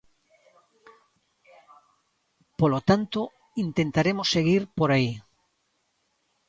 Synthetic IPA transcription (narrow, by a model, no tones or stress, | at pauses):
polot̪ant̪o | int̪ent̪aɾemosːeɣiɾpoɾai